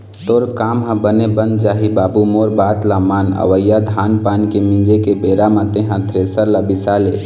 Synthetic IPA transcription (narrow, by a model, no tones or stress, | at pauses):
t̪oːɾkaːmɦãbənebənd̪̚d͡ʒaːɦibaːbumoːɾbaːt̪lamaːnə̰ʋəjːad̪ʱaːnpaːnkemĩnd͡ʒekebeːɾamãt̪eɦãt̪ʰɾeːsəɾlabɪsaːle